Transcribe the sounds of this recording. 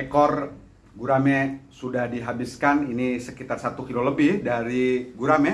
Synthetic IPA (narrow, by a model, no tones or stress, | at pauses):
rekɔr | ɡuɾamesudahdiɦabɪskaninisəkit̪arsat̪ukiloləbɪhdaɾiɡuɾame